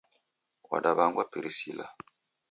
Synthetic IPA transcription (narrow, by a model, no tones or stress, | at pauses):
wa̰daβaŋɡwapiɾisila̰